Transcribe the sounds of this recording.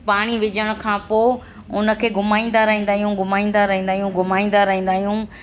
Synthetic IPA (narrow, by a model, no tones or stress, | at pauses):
paːɽ̃iʋɪd͡ʑəɽ̃ʊ̆kʰãːpoː | ʊnə̆kʰeːɡʱʊmaːĩːn̆d̪aɾɐɦĩːnd̪aːɦijũɡʱʊmaːĩːnd̪aɾɐɦĩːndaːɦijũɡʱʊmaːĩːn̆d̪aɾɐɦĩːn̆d̪aːɦijũː